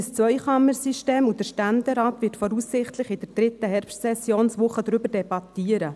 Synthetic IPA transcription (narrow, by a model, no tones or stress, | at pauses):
əst͡sʋœjχɑməɾsiʃteːmud̥əʃtændɛɾɑːtvɪtfɔɾusːɪχtlɪχɪd̥əd̥ɾɪt̪əɦɛɾpʃtsɛsjoːnsʋʊχədɾʏbərdɛbɑt̪iəɾə